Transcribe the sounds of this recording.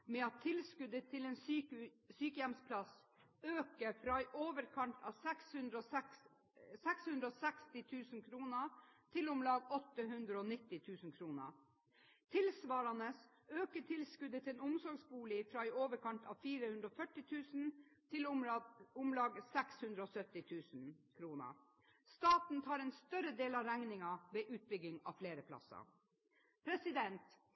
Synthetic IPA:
mɛɑt̪ʰːɪlskʉd̪ət̪ʰɪleːn | syːkəjɛmspʰlɑsøːkəfɾɑːæɪʔoːʋəɾkʰɑnt̪ʰɑ̰ːʋsɛkshʉnd̪ɾoː | sɛkshʉnd̪ɾəoːsɛkst̪ɪt̪ʰʉːsənkʰɾuːnət̪ʰɪlʊmlɑːɡɔt̪ːəɦʉnd̪ɾəoːnɪt̪ːɪt̪ʰʉːsən̩kʰɾuːnə̰ | t̪ʰɪlsʋɑːɾɑnəs | øːkəʈʰɪlskʉd̪ət̪ʰɪɛnʊmsɔɾɡsbuːlɪfɾɑːɛɪoːʋəɾkʰɑnt̪ʰɑːʋfiːɾəhʉnd̪ɾɔfœʈːɪt̪ʰʉːsn̩t̪ʰɪl | ʊmlɑːɡsɛkshʉnd̪ɾəɔːsœt̪ːɪt̪ʰʉːsn̩kʰɾuːnə̰ | st̪ɑːt̪n̩t̪ʰɑːɾɛːnst̪œɾəd̪eːlɑɾæŋnɪŋɑʋeːʔʉːt̪̚bʏɡɪŋɑ̰ːʋfleːɾəpʰlɑ̰sɑ̰ | pʰɾɛsɪd̪ɛnt̪

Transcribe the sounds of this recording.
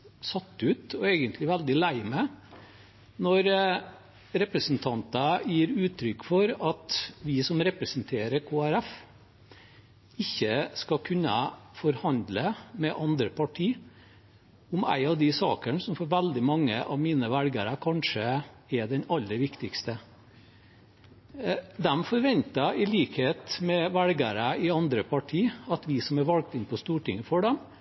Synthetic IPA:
sɑt̪ːʉːt̪ɔeːɡənt̪lɪʋæld̪ɪlæɪmɛ | nɔɾ | ɾɛpɾəsənt̪ʰɑnt̪əjiːɾʉːt̪ɾʏkːfɔɾɑt̪ʋɪsɔmɾɛpɾəsənt̪ʰeːɾəɾkʰoːæɾæf | ɪçːəskɑkʰʉnːəfɔɾhɑnd̪ləmɛʔɑnd̪ɾəpʰɑʈʰiː | ʊmæ̰ɪɑʋd̪ɪsɑ̰ːkəɳsɔmfɔɾʋæld̪ɪmɑŋːəʔɑʋmiːnəʋælɡəɾəkʰɑnʂə | ɛd̪ɛnɑlːəɾʋɪkt̪ɪkst̪ə | d̪ɛmfɔɾʋɛnt̪əɪliːkheːt̪mɛʋælɡəɾəɪɑnd̪ɾəpʰɑʈʰiːɑt̪ʋɪsɔmæɾʋɑlɡ̚t̪ɪnpʰɔst̪uːʈɪŋːəfɔɖɛm

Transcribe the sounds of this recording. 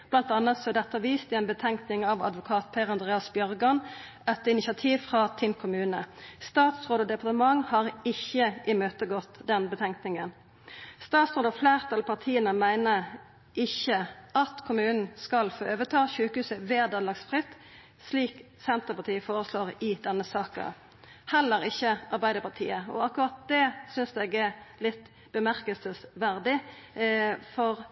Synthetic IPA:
b̥lɑnt̪ɑnːət̪sɔɛd̪ɛt̪əɑʋiːst̪ɪɛnbət̪ʰɛŋknɪŋɑʋɑ̰d̪ʋʊkʰɑːt̪pʰɛʁəɑnd̪ʁeːɑsbjœʁɡɑn | ɛt̪ːəɪnɪsɑt̪ʰiːʋfʁɑt̪ʰɪnkʰʊmʉːnəst̪ɑːt̪sʁoːd̪od̪ɛpɑʁt̪əmɑŋhɑʁɪçːəʔɪmøːt̪əɡɔt̪ːd̪ɛnbət̪ʰɛŋknɪŋən | st̪ɑːt̪sʁoːd̪ɑfleːʁt̪ʰɑlpʰɑʁt̪ʰiːənəmæɪnə | ʔɪçəɑt̪kʰʊmʉːnn̩skɑlfoːøːʋət̪ʰɑːʃʉːkəhʉːsəʋeːd̪ɑːlɑɡsfʁɪt̪ː | sliːk | sɛnt̪əpɑt̪ʰiːəfoːʁəsloːʁɪd̪ɛnːəsɑːkə̰ | hɛlːəɾɪçːəʔɑʁbæɪd̪əpɑʁt̪ʰḭːəɔ̰ɑkʊʁɑt̪̚d̪ɛsʏnsd̪eːɡɛlɪt̪ː | bəmæʁkəlsəsʋæʁd̪ɪ | fɔʁ

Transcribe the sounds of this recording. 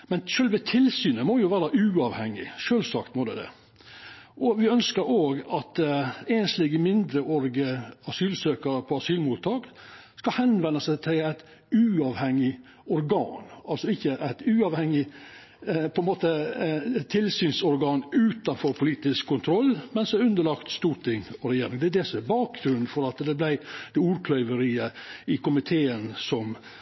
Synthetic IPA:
mɛnʃøːlʋət̪ʰɪlsyːnəmɔjʊʋæːɾɑʔʉːɑʋhɛŋːɪ̰ʃøːlsɑkt̪mɔd̪ɛ̰d̪ɛ̰ | ʔɔʋɪœnskəɾoːɡɑt̪enslɪɡəmɪnd̪ɾəʔɔɾɡəɑsyːlsøːkəɾəpʰɔɑsyːlmuːt̪ʰːɑːkskɑhɛnʋɛnːəsæt̪ʰɪlæɪt̪ | ʉːɑʋhɛŋɪ | ɔɾɡɑ̰ːnɑlsɔɪçːəʔæɪt̪ʉːɑʋhɛŋːɪ | pʰɔɛnmoːt̪ə | t̪ʰɪlsyːnsɔɾɡɑːnʉːt̪ɑnfɔɾpʰʊliːt̪ɪskʰːʊnt̪ʰɾɔlːmɛnsd̪ɛæʉnd̪əɭɑkt̪st̪uːɾʈt̪ɪŋɔɾɛjeːɾɪŋd̪ɛd̪ɛsɔɛbɑːk̚ɡɾʉnfɔɾɑt̪d̪ɛblæɪd̪̥ɛuːɾkʰlœʏʋəɾiːəɪkʊmɪt̪ʰeːənsɔm

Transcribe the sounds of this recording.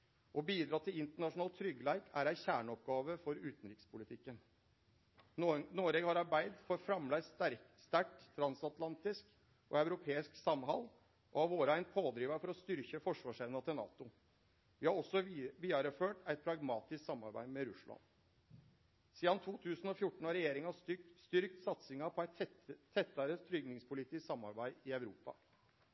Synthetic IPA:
ʔɔbiːd̪ɾɑːt̪ʰɪlɪnt̪əɳɑʂʊnɑːlt̪ʰɾʏɡːəlæɪkæɾæɪçæːɳəɔp̚ɡɑːʋəfɔɾʉːt̪nɾɪkspʊlɪt̪ʰɪkːən | noːɾeɡhɑɾɑɾbæɪd̪fɔɾfɾɑmlæɪst̪æɾst̪æʈt̪ʰːɾɑnsɑt̪lɑnt̪ɪsk | ʔɔæʉɾʊpʰeːɪsksɑmɦɑ̰l | ʔɔɑʋoːɾəæɪnpʰoːd̪ɾiːʋəfɔɾɔst̪ʏɾçəfɔʂʋɑːʂɛnnɑt̪ʰɪlnɑ̰ːt̪ʊ | ʋɪːhɑɾɔsːɔʋiːɑɾəføːʈæɪt̪̚pʰɾɑɡmɑːt̪ɪsksɑmːɑɾbæ̰ɪmɛɾʉslɑ̰n | siːd̪ɑnt̪ʰuːt̪ʰʉːsn̩ɔfjʊʈːɳ̩ɑɾɛjeːɾɪŋɑst̪ʏɾkt̪sɑt̪sɪŋɑpʰɔæɪt̪t̪ʰːɛt̪ːɑɾət̪ʰɾʏɡnɪŋspʰʊlɪt̪ʰɪssɑmːɑ̰ɾbæɪɪæʉɾuːpɑ̰

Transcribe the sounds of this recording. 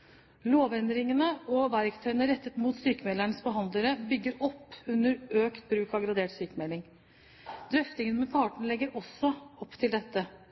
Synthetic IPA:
loːʋɛnd̪ɾɪŋənəɔʋæɾkt̪ʰœʏənəɾɛt̪ːət̪muːt̪syːkəmɛlæɳəsbəɦɑnd̪ləɾəbʏɡːəɾɔpːʉnːəɾøːkt̪̚bɾʉːkɑɡɾɑd̪eːʈsyːkəmɛlɪŋ | d̪̥ɾœft̪ɪŋənmɛpʰɑːʈɳ̩lɛɡːəɾɔsːɔɔpːt̪ʰɪld̪ɛt̪ːə

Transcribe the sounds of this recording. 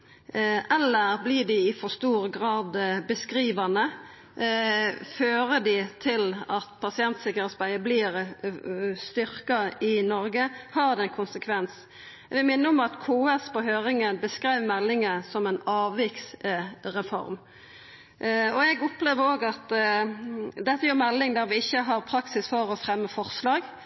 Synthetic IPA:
ʔɛlːəɾblɪd̪ɪɪfɔst̪uːɾɡɾɑːd̪bəskɾiːʋɑnə | føːɾəd̪ɪt̪ʰɪlɑt̪pʰɑsɪɛnt̪sɪkəɾɛːt̪sbæɪəblɪːɾ | st̪ʏɾkɑɪnɔɾɡəhɑʁd̪ɛɛnkʰʊnsəkʰʋɛns | ʋɪlmɪnːəɔmɑt̪kʰoːɛspɔɦøːʁɪŋənbəskɾiɪʋmɛlːɪŋəsɔmɛnɑːʋːɪksɾɛfɔ̰ɾm | ɔɛɡʊpːleːʋəɾoːɡɑt̪ | d̪ɛt̪ːəjyːʁmɛlːɪŋd̪æɾʋɪɪçːəɦɑʁpʰɾɑksɪsfɔɾɔfɾɛmːəfɔʁslɑːɡ

